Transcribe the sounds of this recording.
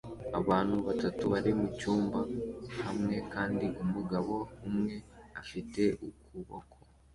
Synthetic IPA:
aβaːn̥huβatatuβaɾimucuːmbahamŋe̞kaːndiʔumuɡaβo̞humŋe̞afite̞ʔukuβo̰kʰo̥

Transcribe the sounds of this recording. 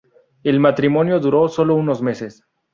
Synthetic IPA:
elmat̪ɾimo̞njoðuɾo̞so̞louno̞zme̞ses

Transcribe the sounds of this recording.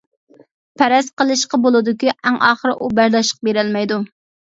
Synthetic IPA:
pʰɛɾɛsqəlˠɨʃqɑbolˠɨd̪ʊkʲiʔæŋɑːχəɾɨʔubæɾd̪ɑʃə̥q̚beɾɛlmɛjd̪u

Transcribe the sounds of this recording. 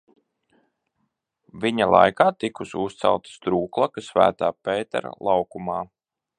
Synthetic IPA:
viɲalˠa̰jkaːt̪ikusust̪sa̰lˠt̪st̪ɾuːklˠakasvæ̰ːt̪aːpɛːt̪ɛ̰ɾa̰lˠʔɑwkumɑː

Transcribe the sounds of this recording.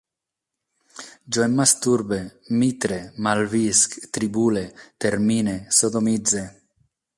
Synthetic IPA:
d͡ʒoɛmːast̪uɾbemit̪ɾemalviskt̪ɾibuːlet̪eɾminesod̪omid̪ze

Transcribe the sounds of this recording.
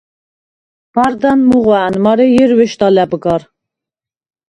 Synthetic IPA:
b̥aɾd̪anmuʁaanmaɾɛjɛɾwɛʃt̪alɛbɡɑɾ

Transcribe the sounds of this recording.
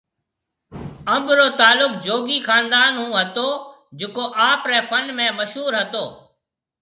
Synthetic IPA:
əmbɾoːt̪aːlʊk̚d͡ʒoːɡiːkʰaːnd̪aːnɦũːɦət̪oː | d͡ʒɪkoːʔaːpɾɛːfʰənmẽːməʃɦuːɾɦət̪oː

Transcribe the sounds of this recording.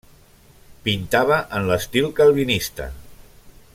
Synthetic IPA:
pint̪aβəʔənləst̪ilkalˠβinist̪ə̰

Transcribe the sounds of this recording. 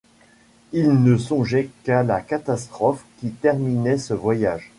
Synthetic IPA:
ilnəsɔ̃ʒɛkalakat̪ast̪χɔfkʲit̪ɛʁminɛsəvwajaːʒ

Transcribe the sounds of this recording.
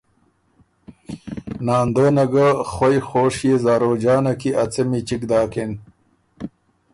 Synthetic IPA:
naːnd̪oːnɐɡaxojxoːʂjezaːɾoːd͡ʑaːnɐkiɐt͡semit͡ɕikd̪aːkin

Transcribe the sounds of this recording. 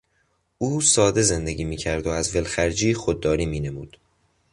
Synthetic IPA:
uːsɒːd̪e̞ze̞nd̪eɡʲiːmiːcʰæɾd̪oæzve̞lxæɾd͡ʒiːxod̪ːɒːɾiːmiːne̞muːd̪̥

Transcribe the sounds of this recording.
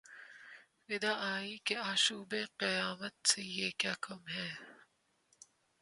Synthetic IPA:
ʋɪd̪aːaːikeaːʃuːbeqɪjaːmət̪̚sejeːkjaːkɐmɦɛː

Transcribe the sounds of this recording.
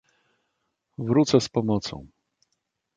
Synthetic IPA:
vɾut̪sɛspɔmɔt̪sɔ̰̃w̃

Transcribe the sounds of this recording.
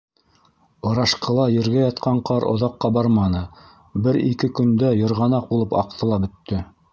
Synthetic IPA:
ŏɾɑʃqɤ̆lˠɑjɘ̆ɾɡæjɑt̪qʰɑɴqʰɑɾʔŏ̰ðɑqːɑbɑɾmɑnɤ | bɘɾḭkɘkɵ̆nd̪æjɤ̆ɾʁɑnɑq̚bulˠɤpɑ̰qt̪ʰɤ̆lˠɑbɵ̆t̪ːɵ

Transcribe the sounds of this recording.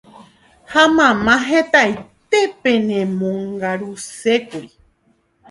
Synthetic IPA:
hamãmãɦẽt̪ajt̪e̞pẽɲẽmõŋɡaɾusekui

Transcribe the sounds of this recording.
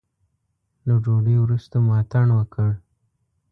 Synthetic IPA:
lad͡ʒoɖəjwɾust̪amɑt̪aɳwəkʰəɽ

